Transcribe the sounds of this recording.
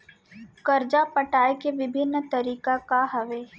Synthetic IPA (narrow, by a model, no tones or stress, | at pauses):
kɐɾd͡ʒapəʈaːjkeʋɪbʱɪnːt̪ɐɾiːkakaɦɐʋeː